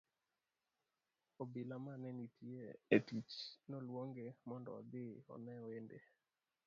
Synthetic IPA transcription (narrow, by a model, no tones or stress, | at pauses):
obɪlamanɛnitʰjeetit͡ʃnɔlwoŋɡemɔndɔ̰d̪ɪɔ̰nɛendḛ